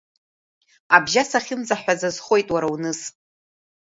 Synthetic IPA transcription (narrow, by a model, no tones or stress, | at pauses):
abʒasaχʲɪmzaħʷᶣazazχo̞jtʼwaɾawnɨs